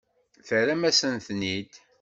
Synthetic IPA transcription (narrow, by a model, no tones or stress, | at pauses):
θəɾæmæsənθnid̪